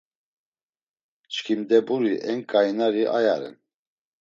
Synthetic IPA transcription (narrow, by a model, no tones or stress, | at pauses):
t͡ʃkʰimd̪ɛbuɾiʔɛŋkʼajnaɾiʔajaɾɛ̰n